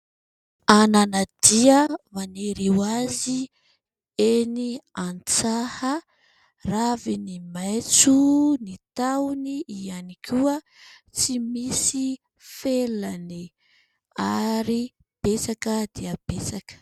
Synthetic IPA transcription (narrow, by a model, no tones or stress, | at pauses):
ananad̪̥iəmaneɾiwazi | eniant͡sahə | ravinimajt͡sunit̪awniianikʰuə | t͡simisi | felani | aɾi | b̥esakəd̪iəb̥esakə̥